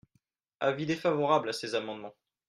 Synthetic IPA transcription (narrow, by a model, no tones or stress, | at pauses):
avid̪efavɔʁablasezamɑ̃d̪mɑ̃